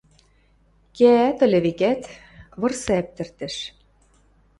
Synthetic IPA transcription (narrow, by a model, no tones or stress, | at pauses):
keæt̪ɤ̆lʲĕβikæt̪ | βɤ̆rsæp̚t̪ɘ̆rt̪ɘ̆ʃ